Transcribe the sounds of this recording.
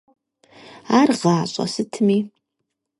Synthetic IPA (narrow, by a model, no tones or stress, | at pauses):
arʁɑːɕʼa̰sɨtʰmi